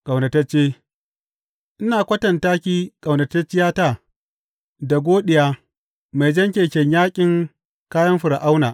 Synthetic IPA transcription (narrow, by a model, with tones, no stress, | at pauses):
kʼa˨wnɐ˨tɐ˦t͡ʃːeː˦ | ʔɪ˦naː˨kʷɐ˦tɐ˨ntaː˦kʲiː˦kʼa˨wnɐ˨tɐ˦t͡ʃːɪ˦jaː˦taː˦˨ | da˨ɡʷoː˦ɗɪ˨jaː˦ | ma˨jd͡ʒɐ˦ŋkʲeː˨kʲɛ˨ɲjaː˦kʲʼɪ˨ŋ | kaː˦jɐ˦mɸʊ˨ɾa˨ʔa˦wnaː˨